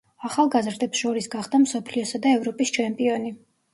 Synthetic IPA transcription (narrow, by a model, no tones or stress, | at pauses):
aχalˠɡazɾd̪ɛpsʃɔɾisɡaχd̪amsɔpʰliɔsad̪aɛvɾɔpʼist͡ʃʰɛmpʼiɔni